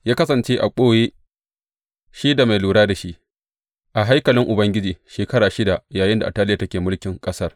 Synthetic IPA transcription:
jaː˦kɐ˦sɐ˨nt͡ʃeː˦ʔa˨kʷʼoː˦jeː˦ | ʃiː˦da˨ma˨jluː˨ɽaː˦da˨ʃi˦ʔ | ʔa˨ɦa˦jkɐ˨lɪ˦ŋʔʊ˨bɐ˦ŋɡʲɪ˦d͡ʒiː˨ʃeː˨kɐ˦ɽaː˨ʃɪ˦da˨jaː˨jɪ˦nda˨ʔtːaː˦lɪ˦ja˨tɐ˦kʲeː˨mʊ˦lkʲɪ˨ŋkʼɐ˦sɐ˦r

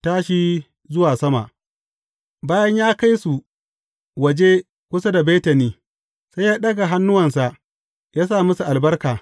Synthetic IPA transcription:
taː˦ʃiː˦ | zʊ˦waː˨sɐ˦ma̰˨ʔ | baː˦jɐ˦ɲjaː˦ka˦jsu˨ | wɐ˨d͡ʒe˦ | kʷʊ˦sa˦da˨beː˦tɐ˨niː˦ | sa˦jjaː˦ɗɐ˦ɡa˨ɦa˦nːʊ˦wɐ˨nsa˨ | jaː˦saː˦˨mʊ˦su˨ʔa˨lbɐ˦rkaː˨

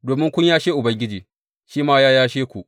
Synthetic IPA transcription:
doː˨mɪ˦ŋkʷʊ˦ɲjaː˦ʃeː˦ʔʊ˨bɐ˦ŋɡʲɪ˦d͡ʒiː˨ | ʃiː˦maː˦jaː˦jaː˦ʃeː˦kʷu˨ʔ

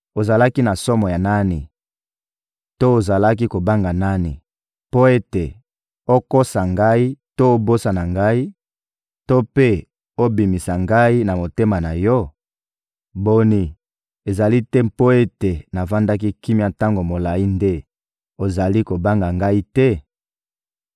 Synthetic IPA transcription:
o˨za˨la˦ki˦na˨sɔ˦mɔ˨ja˨na˦ni˨ | to˦o˨za˨la˦k̬i˦ko˨ba˦ŋɡa˨na˦ni˨ | po˦e˦te˨ | o˦ko˦sa˨ŋɡa˦i˦to˦o˦bo˦sa˨na˨ŋɡa˦i˦ | to˦pe˦ | o˦bi˨mi˨sa˨ŋɡa˦i˦na˨mo˨te˦ma˨na˨jɔ˦ | bo˦ni˨ | e˨za˨li˦tɛ˦po˦e˦te˨na˨va˦nda˦k̬i˦ki˦m˦a˨ta˦ŋɡo˨mo˨la˨i˦nde˦ | o˨za˨li˦ko˨ba˦ŋɡa˨ŋɡa˦i˦tɛ˦

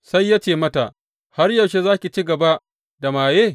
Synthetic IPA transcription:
sa˦jːaː˦t͡ʃeː˨mɐ˦ta˨ʔ | ha˦rjɐ˨wʃe˦zaː˦kʲi˨t͡ʃi˦ɡɐ˨ba˦ʔ | da˨maː˨jeː˦

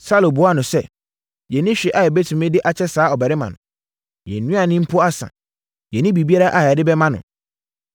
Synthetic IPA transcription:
sa˦lo˨bʊ˨˦a˦nʊ̃˨sɛ˦ | jɛ˨nɪ̃˦ɕᶣɛ˨ʔa˨ɛ˨bɛ˦tʰũ˨mɪ̃˦dɪ˦ʔa˨t͡ɕʰɛ˦saː˨˦ɔ˨bæ˨ɾɪ˦mã̰˨nʊ̰̃˨ | jɛ̰˨n˨nũ˦a˨nɪ̃˦m̩˦pʰʊ˦a˦sã̰˨ | jɛ˨nɪ̃˦bi˨bi˦a˦ɾa˦ʔa˦˨a˨dɪ˦bɛ˦mã˦nʊ̰̃˨

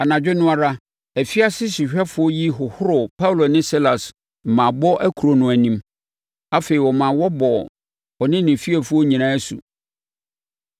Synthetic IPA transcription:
a˨nã˨d͡ʑᶣɪ˦nʊ̃˦a˦ɾa˦ | æ˨fi˦a˦sɪ˦ɕi˨ɕᶣɛ˦fʊ˨˦ɔ˦ji˦ɦʊ˨hʊ˦ɾʊ˨pʰa˦wlo˨nɪ̃˦si˦la˨s | m̩˨mã˨bɔ˦ʔæ˦kʰu˨ɾo˨nʊ̃˨æ˨nĩ˦m | a˦fe˨i˨wɔ˨mã˨wɔ˦bɔ˨ | ɔ˨nɪ̃˦nɪ̃˨fi˦æ˨fʊ˦ɔ˦ɲĩ˨ñã˦sṵ˨

